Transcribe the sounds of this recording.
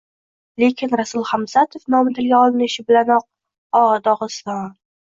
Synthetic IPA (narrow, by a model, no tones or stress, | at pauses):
le̞kʲʰɪnɾasʊlˠχamsat̪ʰofnɒmɪt̪ʰɪlɡʲaɒlɪnɪʃɪbɪlanɒq̚ | ɒʁd̪ɒʁɨst̪ɒn